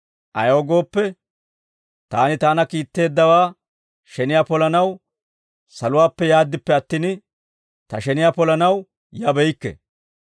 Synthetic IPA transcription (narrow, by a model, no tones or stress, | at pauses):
ʔɐjoːɡo̞ːpːɛ | t̪aːnɪt̪aːnɐkiːt̪ːe̞ːd̪ːɐwaː | ʃɛnɪjaːpɔlɐnɐw | sɐlʊwaːpːɛjaːd̪ːɪpːɛɐt̪ːiːn | t̪ɐʃɛnɪjaːpɔlɐnɐw | jɐbɛjkːɛ̰